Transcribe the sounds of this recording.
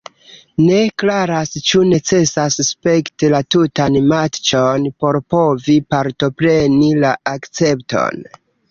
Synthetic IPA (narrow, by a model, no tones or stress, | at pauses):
ne̞klaɾast͡ʃune̞t͡se̞sasspe̞ktilatutanmat͡ʃonpo̞ɾpo̞vipaɾto̞pɾe̞nilaakt͡se̞pto̞̰n